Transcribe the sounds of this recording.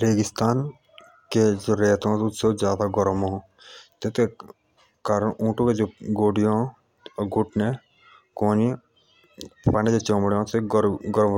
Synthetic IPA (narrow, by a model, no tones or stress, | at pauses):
ɾeːɡɪst̪aːn | ked͡ʒoːɾeːt̪õt̪ʊt̪sɐwzʲjaːd̪aɡɔɾmõ | t̪et̪e | kaɾʔũːʈõked͡ʒoɡoːɖijõː | ɡʊʈne | kõːni | paned͡ʒet͡ʃõmɽjõːt̪eɾɡɔɾm